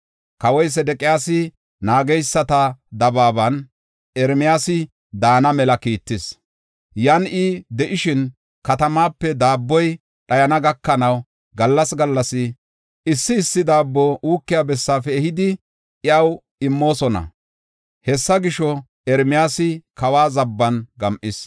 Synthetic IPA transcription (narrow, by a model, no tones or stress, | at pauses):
kɐwɔjs̬ɛd̪ɛkʼɪjaːsɪ | naːɡɛjsːɐt̪ɐd̪ɐbaːbɐn | ɛɾmɪjaːsɪ | d̪aːnɐmɛlɐkiːt̪ːɪs | jɐnɪd̪ɛʔɪʃɪn | kɐt̪ɐmaːpːɛd̪aːbːɔj | ɗɐjɐnɐɡɐkːɐnɐw | ɡɐlːɐsɡɐlːɐsɪ | ʔɪsːɪːsːɪd̪aːbːɔʔuːkːɪjabɛsːaːfɛːhɪd̪ɪ | ʔɪɐw | ɪmːo̞ːsɔnɐ̰ | hɛsːɐɡɪʃɔ | ɛɾmɪjaːsɪkɐwaːzɐbːɐnɡɐmʔɪs